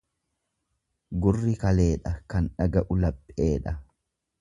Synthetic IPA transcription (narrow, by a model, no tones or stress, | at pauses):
ɡʊrːɪkɐle̞ːᶑɐkɐnᶑɐɡɐʔʊlɐpʼːe̞ːᶑɐ